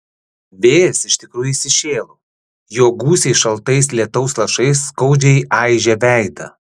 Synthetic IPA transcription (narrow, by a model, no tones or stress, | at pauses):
ʋʲeːjɛsɪʃʲt̪ʲɪkɾuːjuiːsʲɪʃʲeːlˠoː | joːɡuːsʲɛɪʃɐlˠt̪ɐɪslʲiɛt̪ɐʊslˠɐʃɐɪsːkɐʊd͡ʒʲɛɪʔɑˑɪʒʲɛʋʲæˑɪd̪ɐ̰